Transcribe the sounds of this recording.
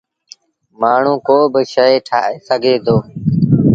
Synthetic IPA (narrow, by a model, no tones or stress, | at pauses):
maːɳ̤ũːkoːbɪʃəeʈʰaːeːsəɡʱeːd̪oː